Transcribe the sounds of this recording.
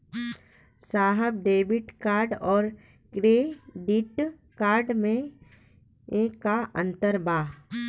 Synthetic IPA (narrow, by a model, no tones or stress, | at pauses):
saːɦəb̚ɖeːbɪʈkaːɾɖɔːɾ | kɾeːɖiʈ | kaːɾɖmẽ | ekːaʔə̃nt̪əɾbaːɦ